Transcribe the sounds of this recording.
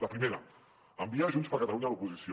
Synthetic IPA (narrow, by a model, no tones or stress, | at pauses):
ləpɾimeɾɐ | əmbiaʒunspəɾkət̪əluɲəlupuzisjo